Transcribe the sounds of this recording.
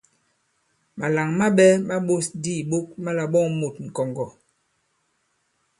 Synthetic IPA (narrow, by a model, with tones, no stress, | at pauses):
ma˨la˨ŋma˦ɓɛ˦ma˦ɓo˦sdi˦˨ɓo˦k̚ma˦la˨ɓɔ˦ŋmo˨t̚ŋ̩˨kɔ˨ŋɡɔ˨